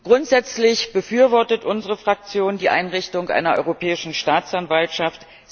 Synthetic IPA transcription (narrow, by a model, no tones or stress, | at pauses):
ɡ̥ʁʊntz̥ɛt͡slɪçb̥əfyːɐvɔɐtətʔʊnzəʁəfʁ̥ak̚t͡sjoːndiːʔa̰ɪnʁɪçtʊŋkʔa̰ɪnɐʔɔ̰ʏʁopʰɛːɪʃn̩ʃtaːt͡sanvaltʃaft